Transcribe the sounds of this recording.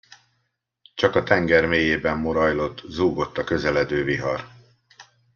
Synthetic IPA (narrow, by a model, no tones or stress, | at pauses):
t͡ʃɒkɒt̪ɛŋɡɛrmeːjeːbɛmːo̞ɾɒjlo̞t̪ːzuːɡo̞t̪ːɒkø̞zɛlɛd̪øːviɦɒr